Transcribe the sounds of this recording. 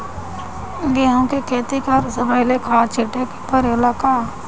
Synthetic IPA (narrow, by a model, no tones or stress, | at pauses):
ɡeɦõkekʰeːt̪ikaɾsɐbaːjlekʰaːt͡ʃʰɪʈekpəɾelakaː